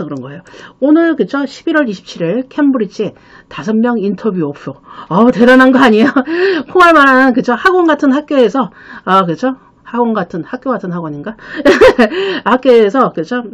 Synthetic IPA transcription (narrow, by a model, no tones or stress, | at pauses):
kɯɾʌnɡʌe̞joonɯɭkɯt͡ɕʰoɕʰibiɾwʌɾiɕʰi̥p̚t͡ɕʰiɾiɭkʰembuɾit͡ɕʰe | tasʰʌmmjʌŋintʰʌbjuʌp̚s͈oʌte̞ɾananɡʌaɲijokʰoŋaɭmaɾanɯnkɯt͡ɕʰohaɡwonɡatʰɯnhak͈̚joesʰʌ | ʌkɯt͡ɕʰo | haɡwʌnɡatʰɯnhak̚k͈joɡatʰɯnɦaɡoɲinɡa | hak͈oːsʰʌkɯt͡ɕʰo